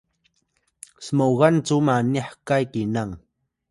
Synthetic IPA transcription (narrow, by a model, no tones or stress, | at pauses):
smowɢɑnt͡ʃamanɪħkajkɪnaŋ